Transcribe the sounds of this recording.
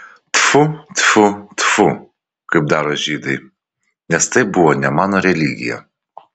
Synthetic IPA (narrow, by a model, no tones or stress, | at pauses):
t̪fut̪fut̪fu | kɨb̚d̪aɾɔʒid̪ɨj | nʲɛst̪ɛbuwɔnʲamanɔɾʲɛlʲiɡʲḭjɐ̰